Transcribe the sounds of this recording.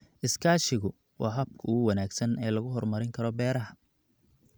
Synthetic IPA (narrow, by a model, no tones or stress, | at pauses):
ʔɪskʰaːʃɪɣʊ | wʔɑ̰ːɦɐb̚kʰʊuːwɐnaːɡsɐnɛːlɐɣʊɦɔrmɐɾɪŋkʰɐɾɔbɛːɾɐɦɐ